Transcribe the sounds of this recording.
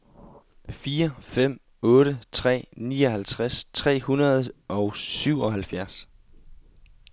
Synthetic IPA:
fiːɐfem̰ | ɔ̽ːɾət͡sʰʁɛ̰ːnḭːɒ̽hælt͡sʰʁast͡sʰʁɛ̰ːhunɐð̩ˠɒ̽ʊsyʊ̰ɒ̽ɦælfjæɐs

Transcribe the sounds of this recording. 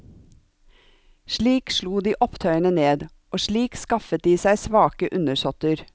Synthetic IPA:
ʃɭiːkʃɭuːd̪iːʔɔpt̪ʰœʏənəneːd̪ | oːʃɭiːkskɑfət̪̚d̪iːsæɪsʋɑːkəʔʉnəʃɔt̪əɾ

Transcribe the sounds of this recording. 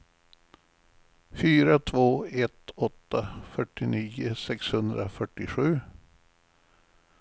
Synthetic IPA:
fyːɾat̪ʰvoːɛt̪ɔt̪ːafœʈːɪniːʊsɛkshɵnd̪ɾa̰fœʈːɪɧʉ̟ː

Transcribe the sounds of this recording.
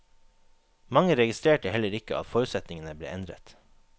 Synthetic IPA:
mɑŋəɾɛɡɪst̪ɾeːʈəhɛləɾɪkəʔɑ̰t̪foːɾʉːt̪sɛt̪nɪŋənəblḛːʔɛnd̪ɾə̰t̪

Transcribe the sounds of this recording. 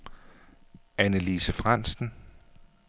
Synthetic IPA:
ænəliːsəfʁan̰sn̩

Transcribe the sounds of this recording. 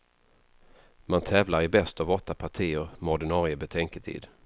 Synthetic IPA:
mant̪ʰɛːvlaɾɪbɛst̪ɔvɔt̪ːapʰaʈʰiːəɾmɔɖɪnɑːɾɪəbɛt̪ʰɛŋkət̪ʰḭːd̪

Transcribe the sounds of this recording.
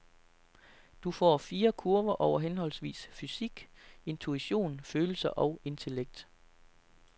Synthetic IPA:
d̥ufɒ̰ːfiːɐkʰuɐʋɐʔɒʊɐɦenhɒ̽l̰sʋḭːsfysiɡ̥e̝nt͡sʰuiɕo̝̰ːnføːl̩sɐʔɒ̽ʊe̝nt͡sʰe̝leɡ̥̚d̥

